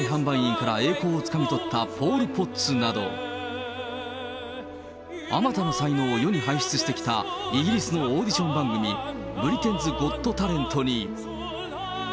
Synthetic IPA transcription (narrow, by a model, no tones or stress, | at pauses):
ɦãmbaĩĩŋkaɾae̞ːko̞ːt͡sɨ̥kamʲit̪ot̪ʰːapʰo̞ːɾʲipo̞t͡sɨnad̪o̞̰ | amat̪anosaino̞ːojo̞ɲ̟iɦaiɕi̥t͡sɨɕi̥t̪e̞kʲi̥t̪aiɡʲiɾʲisɨno̞oːd̪ʲiɕõ̞mbãŋɡɯ̟mʲi | bɯ̟ɾʲit̪e̞nd͡zɨɡo̞t̪ːo̞t̪aɾẽ̞nt̪o̞ɲ̟i